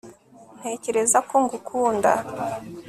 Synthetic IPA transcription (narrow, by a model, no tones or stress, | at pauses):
n̥he̞ːce̞ɾe̞zako̞ŋɡukʰuːnda̰